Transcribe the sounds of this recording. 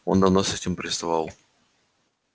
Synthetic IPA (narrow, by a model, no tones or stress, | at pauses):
o̰nd̪ɐvnosɛtʲɪmpɾʲɪst̪avɑlˠ